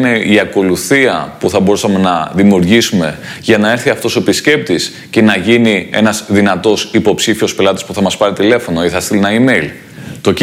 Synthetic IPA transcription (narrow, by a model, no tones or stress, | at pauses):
ne̞iɐko̞luθiɐpuθɐbo̞ɾusɐme̞nɐðimiuɾʝisume̞ʝɐnɐe̞ɾθiɐft̪o̞so̞episce̞p̚t̪is | ce̞nɐʝinie̞̰nɐzðinɐt̪o̞sipo̞psifio̞spe̞lɐt̪i̥spuθɐmɐspɐɾit̪ile̞fo̞no̞iθɐst̪ilinɐimejl | t̪o̞c